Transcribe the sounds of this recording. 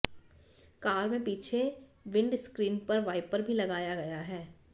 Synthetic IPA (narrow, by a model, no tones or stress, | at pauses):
kaːɾmẽpiːt͡ʃʰeʋɪ̃ɳɖskɾiːnpɐɾʋaːɪpəɾbʱilɐɡaːjaɡɐjaɦɛː